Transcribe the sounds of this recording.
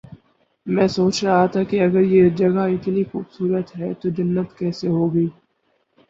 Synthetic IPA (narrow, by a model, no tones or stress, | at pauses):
mɛ̃ːsoːt͡ʃɾɐɦat̪ʰakeɐɡəɾjed͡ʒɐɡaɪt̪nixuːbsuːɾət̪ɦɛt̪od͡ʒɐnːət̪kɛːseɦoːɡɐiː